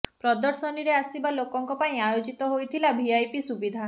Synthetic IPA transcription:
pɾɔd̪ɔɾsɔniɾeasibalokɔŋkɔpaĩajod͡ʒit̪ɔɦojt̪ʰilabʱiajpisubid̪ʱa

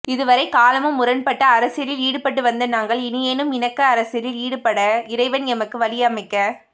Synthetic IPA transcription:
ɪðɯʋɐɾɐɪkaːlɐmɯmʊɾɐnpɐʈːɐːɾɐsɪjɐɾɪliːɽɯpɐʈ̬ːɯʋɐnd̪ɐnaːŋɡɐɭɪnɪjeːnɯmɪnɐkːɐːɾɐsɪɐɾɪliːɽɯpɐɽɐɪɾɐɪʋɐnɛmɐkːɯʋɐlɪjaːmɐɪkːɐ

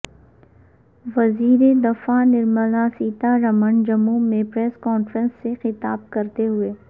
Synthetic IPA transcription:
ʋɐziːɾed̪ɐfanɪɾməlasiːt̪aɾɐmənd͡ʒɐmumẽpɾɛːskɔːnfɾə̃nsːexɪt̪aːb̚kɐɾt̪eɦʊeː

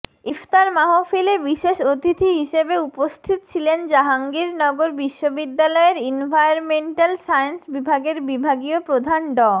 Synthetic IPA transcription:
ift̪aɾmaɦofilebiʃeʃot̪it̪ʰiɦiʃebeupost̪ʰit̪ot͡ɕʰilend͡ʑaɦaŋɡiɾnɔɡoɾbiʃːobid̪ːalɔeɾinbʱajonmeɳʈalsajnsbibʱaɡeɾbibʱaɡiopɾod̪ʱanɖɔ

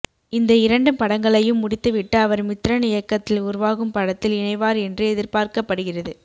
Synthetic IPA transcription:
ɪnd̪ɐɪɾɐɳɖɯmpɐɽɐŋɡɐɭɐjɯmːʊɽɪt̪ːɯʋɪʈːɯɐʋɐɾmɪt̪ɾɐnɪjɐkːɐt̪ːɪlʊɾʊʋaːɣɯmpɐɽɐt̪ːɪlɪɳɐɪʋaːɾɛndrɯɛðɪɾpaːɾkɐpːɐɽɯɣɪrɐðɯ

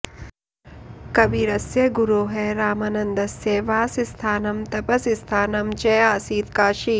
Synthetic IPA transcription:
kɐbiːɾɐsjeɡuɾoːɦeːɾaːmaːnɐnd̪ɐsjeʋaːsist̪ʰaːnɐmt̪ɐpɐsist̪ʰaːnɐmt͡ʃeaːsiːt̪kaːʃiː

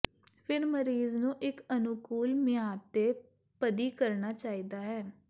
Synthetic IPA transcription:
pʰɪɾməɾiːznũːʔɪkənʊkuːlmɪaːt̪ːeː | pəd̪iːkəɾnaːt͡ʃaːiːd̪aːɦɛː

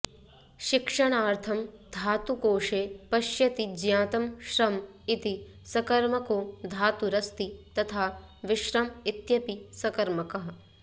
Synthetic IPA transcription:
ʃɪkʂɐɳ̃aːɾt̪ʰɐmd̪ʱaːt̪ukoːʂeːpɐʃjɐt̪id͡ʒjãːt̪ɐmʃɾɐm | it̪i | sɐkɐɾmɐkoːd̪ʱaːt̪uɾɐst̪it̪ɐt̪ʰaː | ʋɪʃɾɐmit̪jɐpisɐkɐɾmɐkɐɦɐ̆

